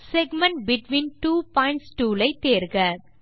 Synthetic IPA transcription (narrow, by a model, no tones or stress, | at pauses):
sɛɡmɐɳʈ̚bɪʈʋĩːnʈuːpɔːɪ̃ɳʈsʈuːlɐɪt̪eːɾɣɐ